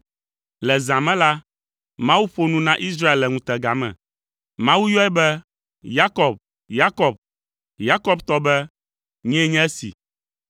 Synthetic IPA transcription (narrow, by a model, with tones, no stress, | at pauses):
lɛ˨zã˨mɛ̃˦la˦ | mã˦wu˦ɸo˦nũ˦nã˦ʔi˦sɾa˦e˨lːɛ˨ŋũ˦t̪ɛ˨ɡa˨mɛ̰̃˨ | mã˦wu˦jɔ˦ɛ˦bɛ˦ | ja˦kɔ˨b̚ | ja˦kɔ˨b̚ | ja˦kɔ˦˨bt̪ɔ˦bɛ˦ | ɲɛ̃˦ɲɛ̃˦ɛ˦sḭ˨